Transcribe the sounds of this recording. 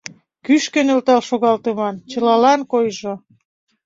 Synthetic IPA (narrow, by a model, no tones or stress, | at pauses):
kyʃkə̆nĕlt̪ɑlʃoɣɑlt̪ɤmɑnt͡ɕə̆lɑlɑnkojʒo